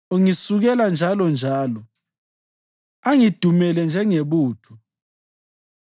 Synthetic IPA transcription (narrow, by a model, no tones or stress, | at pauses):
uŋisuɣɛland͡ʒʱalɔnd͡ʒʱaːlɔ | aŋid̥ʱumɛlɛnd͡ʒʱɛŋeβuːtʰu